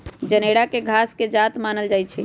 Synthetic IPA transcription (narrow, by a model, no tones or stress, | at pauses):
d͡ʒəneɽakeɡʱasked͡ʒat̪manəld͡ʒajt͡ʃʰɛ